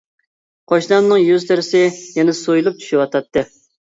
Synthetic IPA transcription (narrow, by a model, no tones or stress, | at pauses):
qʰɑʃnɑmnɨŋjyzt̪ʰɪɾɪsɪjɛnɛsojulˠup̚t͡ʃʰy̥ʃɪwɑt̪ʰɑt̪ːɨ